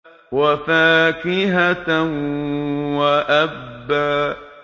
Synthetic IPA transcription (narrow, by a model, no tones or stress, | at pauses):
wafaːkɪɦat | waʔabbːaː